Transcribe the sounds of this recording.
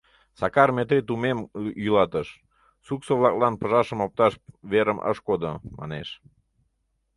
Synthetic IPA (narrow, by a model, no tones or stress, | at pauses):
sɑkɑrmet̪ɾet̪umemylɑt̪əʃ | suksoβlɑklɑnpəʒɑʃəmop̚t̪ɑʃβeɾəmʔə̰ʃkod̪omɑ̰neʃ